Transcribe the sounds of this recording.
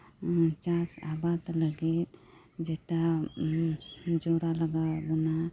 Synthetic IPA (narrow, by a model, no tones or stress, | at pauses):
t͡ʃasa̰bat̪ləɡit̪̚ | d͡ʒɛʈa | d͡ʒɔɾaləɡabɔna